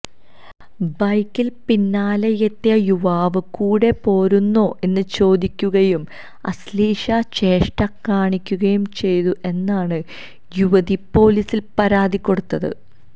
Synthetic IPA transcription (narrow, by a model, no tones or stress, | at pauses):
bɐjkːilpinːaːlɐjet̪ːjɐjuʋaːʋɨkuːɽe̞po̞ːɾunːoːʔe̞nːɨt͡ɕo̞ːd̪ikʲːuɣɐjum | ɐ̰sliːʂɐt͡ɕe̞ːʂʈɐkːaːɳikʲːuɣɐjumt͡ɕe̞jt̪uʔe̞nːaːɳɨ | juʋɐðipo̞ːlisilpɐɾaːd̪ikʲːo̞ɽut̪ːɐðɨ̰